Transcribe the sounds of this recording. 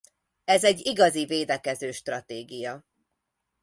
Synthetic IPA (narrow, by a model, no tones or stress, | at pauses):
ɛzɛɟːiɡɒziveːd̪ɛkɛzøːʃt̪rɒt̪eːɡijɒ